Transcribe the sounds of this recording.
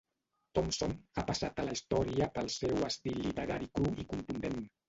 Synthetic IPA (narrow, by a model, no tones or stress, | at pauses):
t̪ɔmsonapasat̪ələist̪ɔɾiəpəlˠsewəst̪ilːit̪əɾaɾikɾuikunt̪und̪en